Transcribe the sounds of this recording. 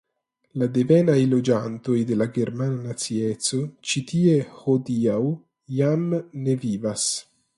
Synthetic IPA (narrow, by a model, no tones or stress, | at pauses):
lad̪evɛnajlod͡ʒant̪ojd̪elaɡeɾmananat̪sietsot͡ʃit̪iehod̪iaw | jamnevivas